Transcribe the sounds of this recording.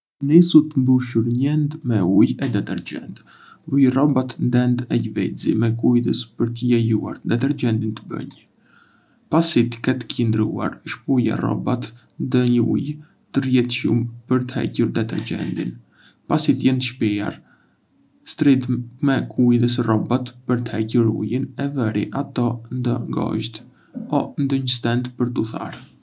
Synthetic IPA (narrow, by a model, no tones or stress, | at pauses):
nisut̪əmbuʃuɾɲɛnd̪mɛujɛd̪ɛt̪ɛɾd͡ʑɛ̰nt̪ | vujrɔbat̪nd̪ɛnd̪ɛʎvɛd͡zḭmɛkujðəspəɾt̪əjɛjua̰ɾd̪ɛt̪ɛɾd͡ʒɛnd̪int̪əbə̰ɲ | pasit̪kɛt̪ə̥cənd̪ɾṵa̰ɾʃpuja̰rɔ̰bat̪ | ðɛɲəṵj | t̪ərjɛt̪ʃumpəɾt̪hɛ̰cuɾd̪ɛt̪ɛ̰ɾd͡ʒɛ̰nd̪ḭn | pasit̪jɛnt̪əʃpia̰ɾ | st̪ɾid̪mɛkʰujðəs̬ərɔbat̪pəɾt̪əhɛcuɾṵjənɛvɛɾiʔat̪ɔnd̪ɔŋɡɔ̰ʃt̪ | ɔnd̪ɔɲəst̪ɛnt̪pəɾt̪uθa̰ɾ